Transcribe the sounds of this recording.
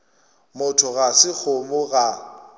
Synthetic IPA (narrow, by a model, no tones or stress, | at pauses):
mʊtʰʊɣasɪk͡xʰʊmʊɣa